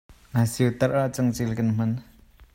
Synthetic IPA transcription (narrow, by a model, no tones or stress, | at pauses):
nasiwt̪ɐrʔaʔt͡sɐŋt͡silkɐnm̥ɐn